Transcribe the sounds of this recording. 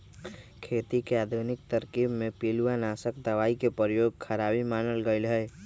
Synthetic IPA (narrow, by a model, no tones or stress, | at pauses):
kʰet̪ikead̪ʱunik̚t̪əɾkibmepiluanasəkd̪əʋaikepɾjoɡ̚kʰəɾabimanəlɡəɪlɦəɪ